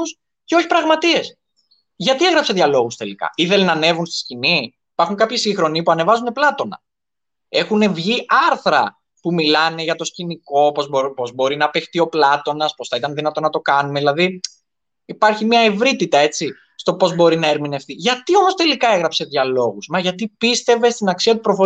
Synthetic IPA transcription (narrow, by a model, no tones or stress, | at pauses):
us | ceo̞çi̥pɾɐɣmɐt̪ie̞s | ʝɐt̪ie̞ɣɾɐpse̞ðʝɐlo̞ɣust̪e̞likɐ̰iθe̞lenɐne̞vunst̪i̥scini | ipɐɾxuŋkɐpçisiŋxɾo̞nipuɐne̞vɐzuneplɐt̪o̞nɐ̰ | e̞xune̞vʝiɐɾθɾɐ̰ | pumilɐne̞ʝɐt̪o̞sciniko̞pozopo̞zbo̞ɾinɐpext̪io̞plɐt̪o̞nɐspo̞sθɐit̪ɐnðinɐt̪o̞nɐt̪o̞kɐnumeðilɐði | ipɐɾçimɲɐevɾit̪it̪ɐe̞t͡si | st̪o̞po̞zbo̞ɾinɐeɾmine̞ft̪iʝɐt̪io̞mo̞st̪e̞likɐe̞ɣɾɐpse̞ðʝɐlo̞ɣusmɐʝɐt̪ipist̪e̞ve̞st̪inɐksiɐt̪̬upɾofo